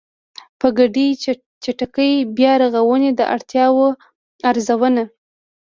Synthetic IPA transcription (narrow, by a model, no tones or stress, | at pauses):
pəɡaɖi | t͡ʃaʈakəjbjɑɾaɣawəned̪ə̰ʔa̰ɽt̪jɑwo | aɾzawəna